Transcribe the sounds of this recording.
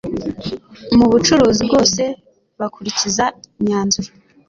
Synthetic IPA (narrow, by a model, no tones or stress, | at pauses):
muβut͡ʃuɾuːzibɡo̞ːse̞ | βakuɾicizaiɲaːnzuɾa